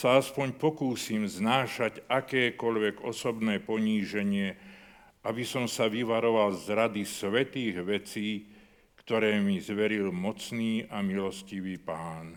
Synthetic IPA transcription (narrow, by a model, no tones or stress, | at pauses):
saaspɔɲpɔkuːsimznaːʃaɟakɛːkɔʎʋɛɡɔ̰sɔbnɛːpɔɲiːʒɛɲɪɛ | ʔabisɔmsaʋiʋaɾɔʋalzɾad̪isʋɛt̪iːɣʋɛt͡siː | kt̪ɔɾɛːmizʋɛɾilmɔt͡sniːamilɔsciʋiːpaːn